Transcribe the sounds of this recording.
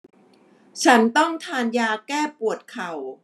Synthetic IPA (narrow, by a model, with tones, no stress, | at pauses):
t͡ɕʰa˦˥nt̪ɔ˥˩ŋt̪ʰaː˧njaː˧kɛː˥˩pu˨˩ət̪̚kʰa˨˩w